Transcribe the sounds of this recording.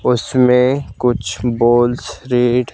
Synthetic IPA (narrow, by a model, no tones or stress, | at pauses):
ʊsmẽkʊt͡ʃʰboːlsɾiːɖ